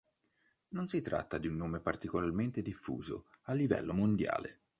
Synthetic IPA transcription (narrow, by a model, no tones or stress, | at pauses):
nonsit̪ɾa̰t̪ːad̪iunːoːmepart̪ikolarment̪ed̪ifːṵːzo̰alːivɛ̰lːomond̪ja̰ːlḛ